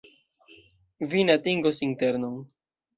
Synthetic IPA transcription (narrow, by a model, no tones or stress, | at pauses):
vineatiŋɡosinte̞ɾnon